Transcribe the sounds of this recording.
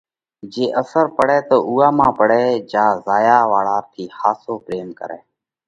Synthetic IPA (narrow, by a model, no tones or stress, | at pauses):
d͡ʒeːʔəsəɾpəɽɛːt̪oːʔuːaːmãːpəɽɛːd͡ʒaːzaːjaːʋaːɭaːt̪ʰiːhaːsoːpɾeːmkə̰ɾɛ̰ː